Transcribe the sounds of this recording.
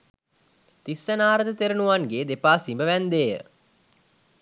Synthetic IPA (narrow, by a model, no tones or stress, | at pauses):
t̪isːənaːɾəd̪ət̪eɾunuʋaŋɡeːd̪epaːsimbəʋænd̪eːjə̰